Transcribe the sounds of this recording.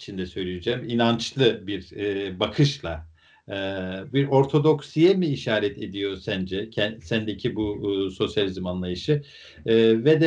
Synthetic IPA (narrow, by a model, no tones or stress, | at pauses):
t͡ʃʰind̪ɛsø̞jlʲijed͡ʒɛːminant͡ʃlˠɯbiɾbakʰɯʃlˠaː | biɾo̞ɾt̪ʰo̞d̪o̞ksijɛmiːʃaːɾɛt̪ʰe̞d̪ijo̞sænd͡ʒɛcʰɛnsænd̪ecʰibuso̞sjalʲizɯmanlˠajɯʃɯ | vɛd̪ɛ